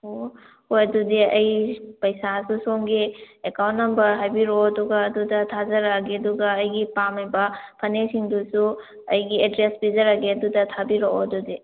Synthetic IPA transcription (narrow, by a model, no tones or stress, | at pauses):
o | hojɐdudiɐjpɐjsasusoŋɡiekawntːɐmbɐɾɦajbiɾoɐduɡɐːdudɐtʰazɐɾaɡeɐduɡɐːjɡipamɐjbɐpʰɐnesiŋdusu | ɐjɡiedɾesbizɐɾaɡeɐdudɐtʰabiɾooɐdudi